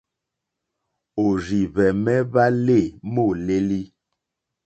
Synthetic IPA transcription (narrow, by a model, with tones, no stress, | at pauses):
o˨ɾi˨βɛ˨mɛ˦ba˦le˦˨mo˦˨le˦li˦